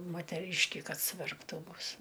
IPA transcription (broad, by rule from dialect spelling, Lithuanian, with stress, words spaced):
moːtʲɛˈrʲiːʃʲkʲɪ ˈkɐt sʊʋʲɛrpˈtuː ˈbʊs